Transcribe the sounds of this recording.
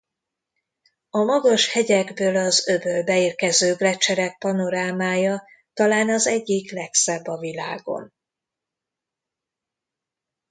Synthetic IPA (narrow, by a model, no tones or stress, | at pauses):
ɒmɒɡɒʃhɛɟɛɡbøːlɒzøbøːlbɛiːrkɛzøːblɛt͡ʃɛɾɛk̚pɒno̞ɾaːmaːjɒ | t̪ɒlaːnɒzɛɟːiklɛksɛbːɒvilaːɡo̞̰n